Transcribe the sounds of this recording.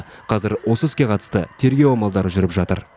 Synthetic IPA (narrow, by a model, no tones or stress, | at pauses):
qʰɑzɪɾwo̞səɪskʲe̞qʰɑt̪ə̥st̪ə̰t̪ʰe̞ɾɡʲe̞wɑmɑlˠd̪ɑɾəʒʏɾɪpʒɑt̪ə̰ɾ